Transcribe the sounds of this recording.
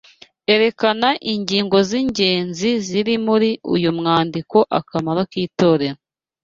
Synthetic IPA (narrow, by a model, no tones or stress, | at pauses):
e̞ɾe̞kanaʔiɲɟiːŋɡo̞ziɲɟe̞ːnziziɾimuɾiṵjumŋaːndiko̞ʔakamaɾokiːto̞ːɾe̞ɾo